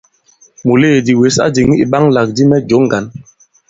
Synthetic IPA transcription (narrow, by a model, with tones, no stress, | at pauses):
mu˨leː˦˨di˨we˨˦sa̰˦di˨ŋi˦i˨ɓa˦ŋla˨k̚di˦mɛ˦d͡ʒo˨˦ŋ˦ɡa˨˦n